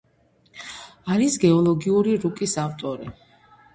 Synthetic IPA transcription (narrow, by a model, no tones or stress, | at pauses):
aɾisɡɛɔlˠɔɡiuɾiɾukʼisaft̪ʼɔɾi